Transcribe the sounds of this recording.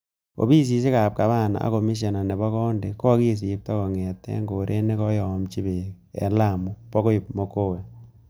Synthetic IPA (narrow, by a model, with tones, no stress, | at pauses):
o̰˨bi˦s̬i˨s̬e˦ka˨p̚ka˨βa˦˨na̰˨a̰˦ko˨mi˦s̬e˨na˨ne˨bɔ˦kɔ˦nde˨kɔ˦ki˦˨s̬i˨p̚tɔ˦kɔ˨ŋɛ˨tːɛ̰˦ŋɡo˨ɾʔe˦ne˦kɔ˦jɔ˨mt͡ʃi˦be˨ | ɛ̰˨la˦˨mu˦pɔ˦ko˦ji˨p̚mo˦ko˦wɛ˨